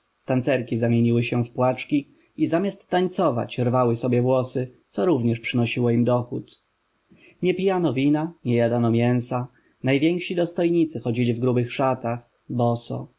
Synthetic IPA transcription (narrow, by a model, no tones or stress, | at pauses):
t̪ansɛɾkʲizamʲjeɲiwɘɕɛfpwat͡ʂkʲi | izamʲjast̪ːaɲt̪sɔva̰t͡ɕɾvawɘsɔbʲjɛvwɔsɘt̪sɔɾuvɲɛʂpʂɘnɔɕiwɔimd̪ɔxut̪ | ɲɛpʲijanɔvʲinaɲɛjad̪anɔmʲjɛw̃sa | najvʲjɛŋkʂid̪ɔst̪ɔjɲit̪sɘxɔd͡ʑilʲivɡɾubɘxʂat̪ax | bɔsɔ̰